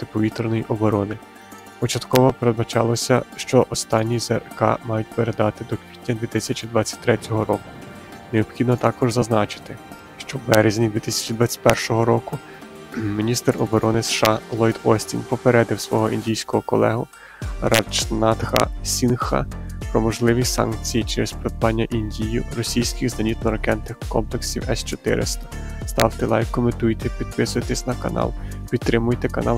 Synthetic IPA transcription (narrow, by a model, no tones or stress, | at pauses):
t̪ɪpɔʋʲit̪rnɔjiʔɔbɔɾɔnɪ | pɔt͡ʃɐt̪kɔʋɔpeɾed̪bɐt͡ʃɑlˠɔsʲɐʃt͡ʃɔʔɔst̪ɑnʲːizerkɑ̰mɑjʊt̚ʲpeɾed̪ɑt̪ɪd̪ɔkʋʲitʲnʲɐd̪ʲʋʲit̪ɪsʲɐt͡ʃid̪ʋɑt͡sʲːɐ̥t̚ʲt̪ɾɛtʲɔɦɔɾɔkʊ̥ | neɔbxʲid̪nɔt̪ɑkɔʒzɐznɑt͡ʃɪ̥t̪ɪ | ʃt͡ʃɔwbɛɾezʲnʲid̪ʋʲit̪ɪsʲɐ̥t͡ʃid̪ʋat͡sʲːɐ̥tʲpɛrʃɔɦɔɾɔkʊ | mʲinʲist̪ɛrɔbɔɾɔnɪsʃɑlˠɔjd̪ɔsʲtʲinʲpɔpeɾɛd̪ɪwsʋɔɦɔʔinʲdʲijsʲkɔɦɔkɔlˠɛɦʊ | rɑt͡ʃnɑt̪xɐ̰sʲinxɐ̰pɾɔmɔʒlˠɪʋʲisɑ̰nk̚t͡sʲijit͡ʃɛɾɛzpɾɔd̪̚bɑnʲːɐʔinʲdʲijʊɾɔsʲijsʲkʲɪɣzɐnʲit̪nɔɾɐkɛnnɪxkɔmpleksʲiwɛst͡ʃɔt̪ɪ̰ɾɪ̰st̪ɐ̥ | st̪ɑ̰wt̪ɪlˠɑ̰jkɔmɪt̪ujt̪ɛpʲid̪̥̚pɪsʊjt̪ɪsʲnɐkɐnɑ̰lˠ | pʲid̪̚t̪ːɾɪmʊjt̪ɛkɐnɑl